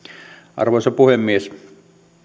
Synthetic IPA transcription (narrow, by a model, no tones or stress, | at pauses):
ʔɑ̰rʋoˑisɑpuhemːies